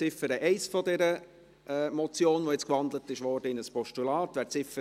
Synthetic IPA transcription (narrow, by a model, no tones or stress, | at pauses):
ɪfəɾəʔɛɪsfɔdɛɾə | ʔɛmɔt͡sjoːnʋojɛt͡skʋɑnd̪lətɪʃʋɔrd̥əɪnəspɔʃtulɑːtʋæːt͡sɪfə